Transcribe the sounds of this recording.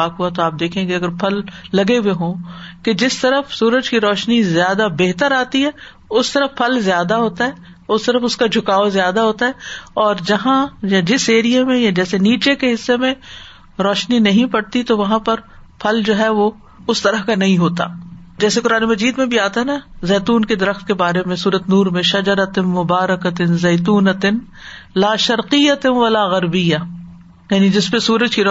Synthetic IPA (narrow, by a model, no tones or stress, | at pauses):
aːkɦuat̪oaːp̚d̪eːkʰẽːŋɡeɐɡəɾpʰɐlːɐɡeweɦõːked͡ʒɪst̪ɐɾəfsuːɾəd͡ʒkiɾɔːʃnizjaːd̪abeɦt̪əɾaːt̪iɦɛː | ʊst̪ɐɾəfpʰːɐlzjaːd̪aɦoːt̪aɦɛː | ʊst̪ɐɾəfʊskad͡ʒʱʊkaːozjaːd̪aɦoːt̪aɦɛɔːɾd͡ʒɐɦãjad͡ʒɪseːɾijemẽjad͡ʒɛːseniːt͡ʃekeɦɪsːemẽ | ɾɔːʃninɐɦĩpɐɽt̪it̪oʋɐɦãpɐɾpʰɐld͡ʒoːɦɛʋo | ʊst̪ɐɾəɦkanɐɦĩɦoːt̪a̰ː | d͡ʒɛːsekʊɾaːnemɐd͡ʒiːd̪mẽbʱiaːt̪aɦɛnɐzeːt̪uːnked̪ɐɾəxt̪̚kebaːɾemẽsuːɾət̪nuːɾmẽʃɐd͡ʒəɾɐt̪ɪnmʊbaːɾɐkɐt̪ɪnzeːt̪̬uːnɐt̪ɪn | laːʃɐɾqijɐt̪ʋɐlaːɣɐɾbɪja | jaːnid͡ʒɪspesuːɾəd͡ʒkiɾ